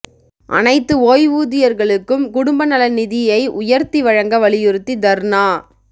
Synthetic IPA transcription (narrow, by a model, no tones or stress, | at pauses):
ʔɐ̰nɐɪt̪ːɯoːjʋuːðɪjɐɾɣɐɭɯkːɯmkʊɽʊmbɐnɐlɐnɪðɪjɐɪʔʊjɐɾt̪iʋɐɻɐŋɡɐʋɐɭɪjɪɾɯt̪ːid̪ɐɾnaː